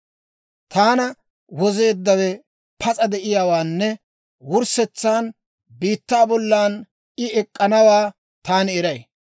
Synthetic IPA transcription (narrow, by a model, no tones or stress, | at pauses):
t̪aːnɐ | wɔze̞ːd̪ːɐwɛ | pʰɐt͡sʼɐd̪ɛʔɪjawaːnːɛ | wʊɾsɛt͡sːaːn | biːt̪ːaːbɔlːaːn | ɪɛkʼːɐnɐwaː | t̪aːnɪɛɾɐj